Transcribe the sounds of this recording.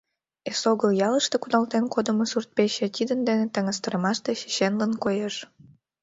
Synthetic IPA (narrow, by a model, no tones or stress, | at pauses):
esoɣəljɑləʃt̪e̽kud̪ɑlt̪enkod̪əmosurt̪̚peɕet̪ʲid̪ənd̪enet̪əŋəst̪əɾəmɑʃt̪eɕi̥ɕenlənkojeʃ